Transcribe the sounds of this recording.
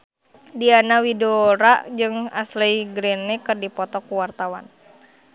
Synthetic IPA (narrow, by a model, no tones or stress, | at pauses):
dianawidoɾaʔd͡ʒɨŋasliɡɾɛnːɛkɨrdipɔt̪ɔkuwart̪awa̰n